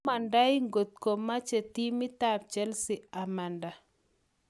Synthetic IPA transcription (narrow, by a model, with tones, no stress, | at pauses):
a˨nda˦ɪ˦ŋɡo˨t̪̚ko˨mːa˦t͡ʃe˨t̪i˦mɪ˦t̪a˦˨ɾt͡ʃɛ˦lsɪ˨a˨ma˨nda˨